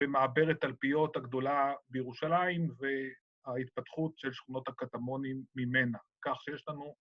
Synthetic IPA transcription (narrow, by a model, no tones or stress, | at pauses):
bemaabe̞ʁet̪alpijo̞taɡd̪o̞labejeʁuʃalaimve | ait̪̚pat̪χut̪ʃelʃχuno̞t̪hakat̪amo̞nimːimenakaχʃejeʃlanu